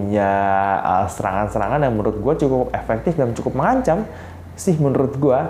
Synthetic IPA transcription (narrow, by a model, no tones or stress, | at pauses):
ɲaə̰səɾa̰ŋansəɾa̰ŋanjaŋmənɾʊt̪̚ɡuat͡ʃukʊp̚efɛk̚t̪ɪfdamt͡ʃukʊp̚məŋaɲt͡ʃam | sɪhmənəɾʊt̪̚ɡua